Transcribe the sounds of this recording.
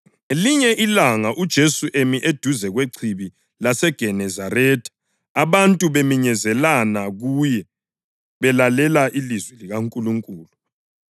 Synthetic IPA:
liɲɛʔilaŋaʔud̥ʒ̥ʱesuʔemiʔed̥ʱuzɛɣweǀʰiβi | lasɛɡ̥ʱɛnɛzarɛːtʰʼ | aβantʼuβemiɲɛzɛlanaɣuːjɛ | βɛlalɛlaʔilizwɛliɣaŋkʼuluŋkʼuːlu

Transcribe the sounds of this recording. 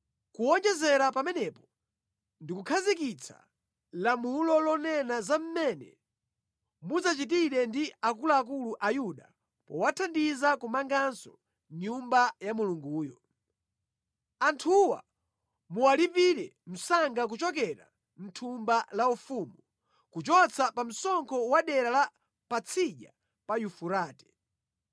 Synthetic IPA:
kuɔnd͡ʒɛzɛɾapamɛnɛpɔ̥ | ndikukʰazik̬it͡sʰa̰ | lamulɔlɔnɛnazam̩mɛnɛ̰ | muzat͡ʃitiɾɛndiakulaːk̬uluʔajuɗa | pɔwatʰandizakumaŋɡansɔ̰ | ɲumbajamuluŋɡuːjɔ | antʰuwa̰ | muwalipiɾɛm̩saŋɡak̬ut͡ʃɔk̬ɛɾa̰ | n̩tʰumbalaufumu | kut͡ʃɔt͡sʰapam̩sɔŋkʰɔwaɗɛɾala | pat͡sʰiʄa | pajufuɾaːtɛ̥

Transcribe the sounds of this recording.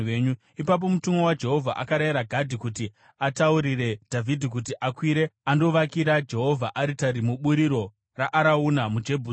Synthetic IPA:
eɲu | ipap̬o̞mutumo̞wad͡ʒe̞ɦo̞vʱa̰ʔakaɾaiɾaɡʱadʱikuti | atauɾire̞d̥ʱavʱidʱik̬utiʔakwiːɾe̞ando̞ʋakiɾad͡ʒe̞ɦo̞vʱaʔaɾitaɾimuɓuɾiɾo̞ | raʔaɾaunamud͡ʒe̞bʱu

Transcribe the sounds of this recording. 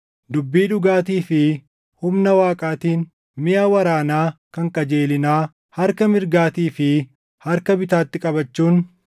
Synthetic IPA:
d̪ʊbːiːᶑʊɡaːt̪̬iːfɪ | hʊmnɐwaːkʼaːt̪iːn | mɪjaːwɐɾaːnaːkɐŋkʼɐd͡ʒe̞ːlɪnaː | hɐɾkɐmɪɾɡaːt̪iːfɪ | hɐɾkɐbɪt̪aːt̪ːɪkʼɐbɐt͡ʃːuːn

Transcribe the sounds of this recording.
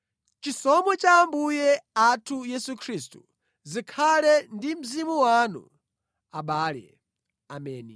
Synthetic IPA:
t͡ʃisɔmɔt͡ʃaːmbujɛatʰujɛsukʰɾistu | zikʰalɛndim̩zimuwaːnṵ | aɓaːlɛ̰ | amɛːni

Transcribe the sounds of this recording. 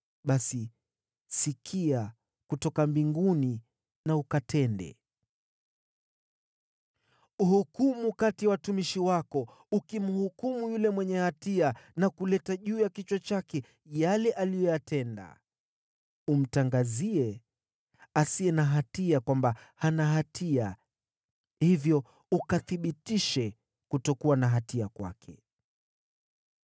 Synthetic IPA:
ɓasi | sikʰia | kutɔkambiŋɡuni | naukatʰɛndɛ̰ | uhukumukatijawatumiʃiwakɔ | ukimuhukumujulɛmwɛɲɛhatianakulɛtaʄuːjakit͡ʃwɔt͡ʃakɛ | jalɛʔalijɔjatɛnda̰ | um̩taŋɡaziɛ | asiɛnaɦatiakwambahanaɦatʰia | hivjɔ | ukaθiɓitiʃɛ | kutɔkuwanaɦatiakwa̰kʰɛ

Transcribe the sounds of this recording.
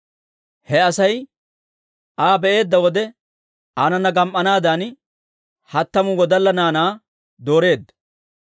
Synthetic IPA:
hɛɐsɐj | ʔaːbɛʔe̞ːd̪ːɐwɔd̪ɛ | anɐnːɐɡɐmʔːɐnaːd̪aːn | hɐt̪ːɐmʊwɔd̪ɐlːɐnaːnaː | d̪o̞ːɾe̞ːd̪ːɐ̥

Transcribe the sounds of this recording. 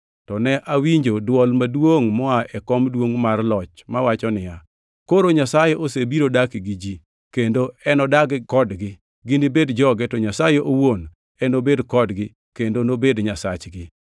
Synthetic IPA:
tɔnɛʔawiɲd͡ʒodwɔlmadwoŋmɔaʔɛkɔmdwoŋmarlɔt͡ʃmawat͡ʃɔnɪja | koɾoɲasajeʔosebiɾodakɪɡɪd͡ʒi | kendoɛnɔdaɡkɔdɡɪ | ɡɪnɪbedd͡ʒɔɡɛtɔɲasajeʔowon | ɛnobedkɔdɡɪ | kendonobedɲasa̰t͡ʃɡɪ

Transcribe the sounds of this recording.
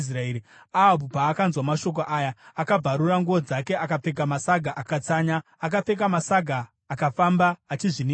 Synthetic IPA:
s̬raeːɾi | aabupaːkanzwamaʃo̞k̬oʔaːjaakab͡vʱaɾuraŋɡuʋod͡zake̞ʔakap͡fe̞k̬amasaɡʱaʔakat͡saːɲa | ak̬ap͡fe̞k̬amasaɡʱaː | kafambaːt͡ʃiʐini

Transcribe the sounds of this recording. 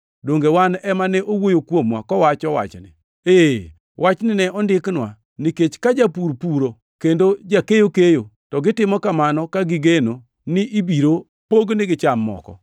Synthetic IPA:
doŋɡewanɛmanɛʔowojokwomwa̰kɔwat͡ʃɔwa̰t͡ʃnɪ̰ | e | wʔat͡ʃnɪnɛɔndɪknwa̰ | niket͡ʃkad͡ʒapuɾpuɾo | kendod͡ʒakejokejotɔɡɪtɪmɔkamanɔkaɡɪɡeno | nɪʔibiɾo | poɡnɪɡɪt͡ʃamːɔ̰kɔ̰

